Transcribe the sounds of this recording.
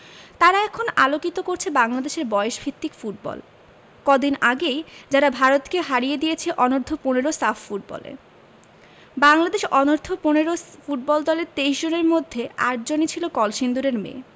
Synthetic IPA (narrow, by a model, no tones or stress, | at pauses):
t̪aɾaɛkʰonalokit̪okoɾt͡ɕʰebaŋlad̪eʃeɾbɔeeʃbʱit̪ːikfuʈ̚bɔ̰l | kɔd̪inaɡejd͡ʑaɾabʱaɾot̪keɦaɾijed̪ijet͡ɕʰeʔɔnoɾd̪ʱopuneɾosafːuʈ̚bɔ̰lḛ | baŋlad̪eʃɔnoɾd̪ʱopuneɾofuʈ̚bɔld̪ɔleɾt̪ejʃd͡ʑoneɾmod̪ʱːeaʈ̚d͡ʑonit͡ɕʰilokɔlʃind̪uɾeɾmḛ